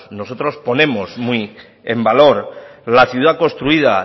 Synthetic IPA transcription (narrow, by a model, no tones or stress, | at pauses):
no̞so̞t̪ɾo̞spo̞ne̞mosmui | e̞mbalo̞ɾlaθjuðako̞st̪ɾuiða